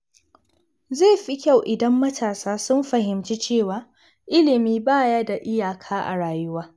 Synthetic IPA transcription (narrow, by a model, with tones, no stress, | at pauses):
zeː˦˨ɸi˦kʲa˦˨wʔɪ˨dɐ˦mːɐ˦tʰaː˨saː˦sʊ˦mɸɐ˨ɦɪ˨mt͡ʃi˦t͡ʃeː˦˨waː˦ | ʔɪ˦lɪ˨miː˦baː˦ja˦da˨ʔɪ˦jaː˨kʰaː˦ʔa̰˨ɽaː˨jʊ˦waː˦